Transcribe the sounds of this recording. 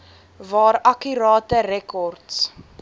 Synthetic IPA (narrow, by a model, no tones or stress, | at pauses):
vɑːɾɐkyɾɑːtəɾɛkɔrts